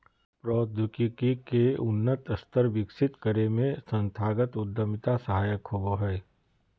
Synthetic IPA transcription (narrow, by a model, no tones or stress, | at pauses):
pɾɔːd̪ʱʊkikikeʊnːət̪əst̪əɾʋɪkʃɪt̪kəɾemẽsɐ̃nt̪ʰaːɡət̪ʊd̪ːəmɪt̪asɐɦaːjəkɦoboɦɛː